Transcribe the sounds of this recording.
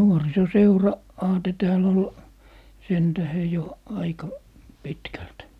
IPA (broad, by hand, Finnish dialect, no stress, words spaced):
ɑːte tæːl ol sen tæhe jo ɑikɑ pitkælt